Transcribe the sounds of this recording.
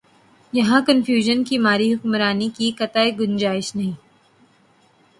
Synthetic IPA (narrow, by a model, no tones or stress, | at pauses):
jɐɦãkɐnfjuːʒənkimaːɾiɦʊkmɾaːnikikɐt̪aeɡʊnd͡ʒaːɪʃnɐɦĩː